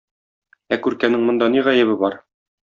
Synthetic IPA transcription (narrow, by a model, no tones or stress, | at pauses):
ækʉɾkænɘŋmŏnd̪ɑniʁæjɘ̆βɘbɒɾ